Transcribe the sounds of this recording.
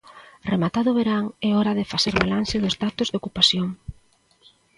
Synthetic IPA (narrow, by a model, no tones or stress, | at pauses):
remat̪aðʊβeɾaŋɛɔɾaðɪfaseɾβalansɪðʊzdat̪ʊzðokupasjoŋ